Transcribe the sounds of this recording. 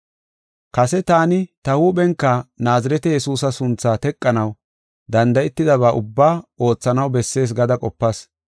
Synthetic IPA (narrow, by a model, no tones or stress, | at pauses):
kɐsɛt̪aːnɪt̪ɐhuːɓɛŋkːɐnaːzɪɾɛt̪ɛjɛsuːsɐsʊnt͡sːaːt̪ɛkʼːɐnɐw | d̪ɐnd̪ɐʔɛt̪ːɪd̪ɐβaːʔʊbːaːo̞ːt͡sːɐnɐwbɛsːe̞ːs̬ɡɐd̪ɐkʼɔpːɐs